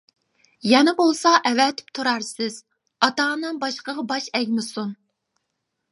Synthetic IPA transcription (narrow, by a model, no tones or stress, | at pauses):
jɛnɪbolˠsɑʔɛvɛt̪ʰɪ̥pt̪ʰuɾɑɾsɪz̥ | ɑt̪ɑːnɨŋbɑʃqəʁɑbɑʃɛɡʲmɪsun